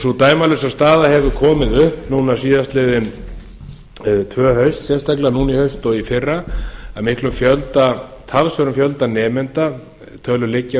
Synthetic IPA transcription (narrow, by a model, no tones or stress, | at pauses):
sut̪aːjmalɪsast̪aːðahɛvʏkʰɔːmɪðʏhpnuːnasiːðast̪lɪðɪn | t̪ʰvœːɦœɥst̪sjɛst̪ʰaklanuːnihœɥst̪ɔɣifɪrːaamɪhklʏmfjœlt̪at̪ʰalsœɾʏmfjœlt̪anɛːmɛnt̪a | t̪ʰœːlʏlɪcːa